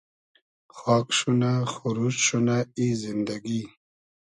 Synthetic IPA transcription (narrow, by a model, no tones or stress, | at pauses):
xɑːkʂunaxuɾut͡ʃʃunaizind̪aɡi